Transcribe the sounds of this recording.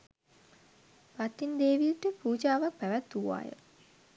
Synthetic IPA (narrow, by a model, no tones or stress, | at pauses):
bat̪ːind̪eːʋiəʈəpuːd͡ʒaːʋak̚pæʋæt̪ːuʋa̰ːjə̰